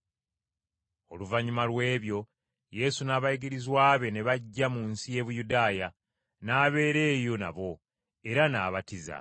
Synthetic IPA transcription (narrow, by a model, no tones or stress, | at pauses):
o̞̰luvaɲimalwe̞ːβjo̞ | je̞sunaːβaiɡiɾizwaːβe̞ne̞βaɟːamunsije̞βujudaːja | naːβe̞ːɾe̞ːjo̞na̰βo̞ | e̞ɾana̰ːβatiza̰